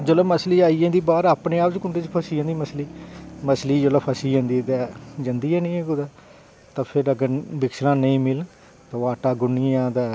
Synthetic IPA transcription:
d͡ʒələməsliːaːiːãːd̪iːbaːɾaːpneːaːpt͡ʃkʊɳʈeːt͡ʃpʰəsiːãːnd̪iːməsliːməsliːd͡ʒəlaːpʰəsiːd͡ʒãːnd̪iːt̪ɛːd͡ʒãːnd̪iːɛːnẽːɛɡʊd̪aː | t̪ãːpʰɪɾəɡəɾbɪkslãːnəĩːmɪl | t̪ãːʋaːʈaːɡʊniːãːd̪ɛː

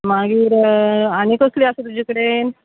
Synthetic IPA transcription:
maɡiːɾañikəsliːasət̪ud͡ʑʱikəɽen

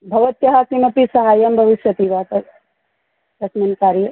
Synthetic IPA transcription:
bʱɐʋɐt̪jɐɦakimɐpisɐɦaːjɐmbʱɐʋiʃjɐt̪iʋat̪ɐ | t̪ɐsmɐnkaːɾje

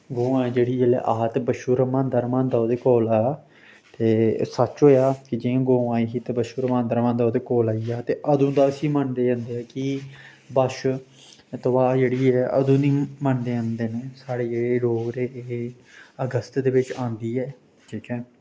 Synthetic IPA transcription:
ɡõːãːd͡ʒeːɽiːeːlɛ̰ʔaːt̪ːbəʃuːɾəmãːnd̪əɾmãːnd̪aːod̪eːkoːlaː | t̪eːsət͡ʃɦoːjaːkɪd͡ʒẽːɡõːãːiɦiːt̪ːbəʃuːɾmãːnd̪əɾmãːnd̪aːd̪eːkoːlaːiːaːt̪eːʔəd̪ũːd̪aːəsĩːməɳd̪eːãːnd̪eːaːki | bəʃ | t̪ʊʋaːd͡ʒeːɽiːɛːʔə̰d̪ũːniːməɳd̪eːə̃nd̪eːneːsaːɽeːd͡ʒeːeːloːɡɾeː | əɡəst̪d̪eːʋɪt͡ʃãːnd̪iːɛː | ʈʰiːkɛ̃ː

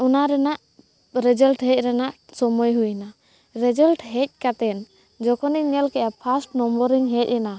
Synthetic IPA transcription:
unaɾɛnaʔ | ɾɛd͡ʒəlʈɦɛc̚ˀɾɛnaʔsɔmɔjɦujna | ɾɛd͡ʒəlʈɦɛc̚ˀkat̪ɛn | d͡ʒɔkɔniɲɛlkɛʔapʰasʈnɔmbɔɾiŋɦɛc̚ɛna

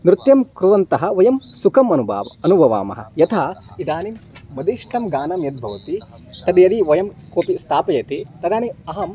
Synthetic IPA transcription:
mɾɪt̪jɐmkɾuʋɐnt̪ɐɦɐ̆ʋɐjɐmsukɐmɐnuba̰ːʋɐɐnubʱɐʋa̰ːmɐ̰ɦɐ̰jɐt̪ʰaːid̪aːnimːɐd̪iʂʈɐmɡaːnɐmjɐd̪̚bʱɐʋɐt̪i | t̪ɐd̪jɐd̪iʋɐjɐmkoːpist̪ʰaːpɐjɐt̪it̪ɐd̪aːniɐɦɐm

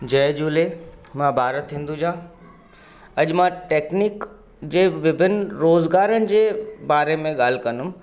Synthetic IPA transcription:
d͡ʑɐjd͡ʑuːlemãbʱaːɾət̪ʰːĩːn̆d̪ud͡ʑãː | ɐʄmãʈeːknik | d͡ʑeːʋɪbʱɪnɾoːzɡaːɾənɪ̆d͡ʑeːbaːɾemẽɠaːl̤ɪkɐnʊm

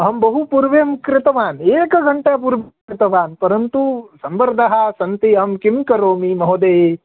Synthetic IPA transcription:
ɐɦɐmbɐɦupuːɾʋeːmkɾɪt̪ɐʋaːneːkɐɡɐɳʈep̬uːɾʋkɾɪt̪ɐʋaːnpɐɾɐnt̪usɐmbɐɾd̪ʱɐɦɐsɐnt̪iɐɦɐmkimkɐɾoːmimɐɦod̪eː

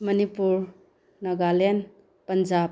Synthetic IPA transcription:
mɐnipuɾ | nɐɡalen | pɐnd͡ʒa

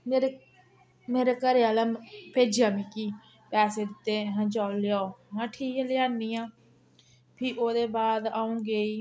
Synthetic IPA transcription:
meːɾe | meːɾeːkəɾeːaːlaːpeːd͡ʒjaːmĩːkiː | pɛːseːd̪ɪt̪ːeːɦãːd͡ʒaːolɪjaːoɦãːʈʰiːklɪjaːniːãː | pʰɪːʔoːd̪eːbaːd̪aːũːɡeːiː

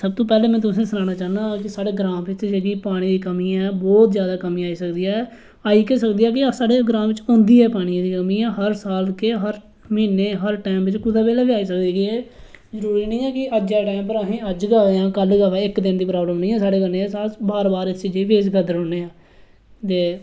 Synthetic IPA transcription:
səb̚t̪õːpɛːleːmɛ̃ːt̪ʊsẽːsənãːnaːt͡ʃaːnd̪aːkɪsaːɽeːɡɾãːmʋɪt͡ʃd͡ʒeːɡiːpaːɽ̃iːd̪iːkəmiːãɛbɔːt̪zjaːd̪aːkəmĩːaːiːsəkd̪iːaː | aːiːkeːsəkd̪iːjaːk̬ɪsaːɽeːɡɾãːʋɪt͡ʃɔ̃ːnd̪iːɛːpaːɽ̃iãːd̪iːkəmĩːãːɦəɾsaːlkeːɦəɾ | miːneːɦəɾʈaːmʋɪt͡ʃkʊd̪aːʋeːlɛːʋɪaːiːsəkdeːɡiɛː | zəɾuːɾiːnĩːɛːkɪəd͡ʒaːʈaːɪmpəɾaːɦĩːəd͡ʒɡaːʋeːãːkəlɡaːʋɛːɪkd̪ɪnd̪iːpɾaːbləmnĩːɛːsaːɽeːɡəneːesaːbaːɾbaːɾɪst͡ʃiːd͡ʒeːʋeːd͡ʒɡəd̪əɾõːneːãː | t̪eː

